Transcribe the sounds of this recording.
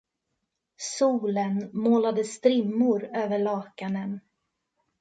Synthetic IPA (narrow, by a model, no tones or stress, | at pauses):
suːlənmoːlad̪əst̪ɾɪmːʊɾøːvəɭɑːkanən